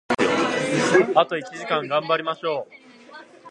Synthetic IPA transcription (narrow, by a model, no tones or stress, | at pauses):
at̪o̞it͡ɕiʑikãŋɡãmbaɾʲimaɕo̞ː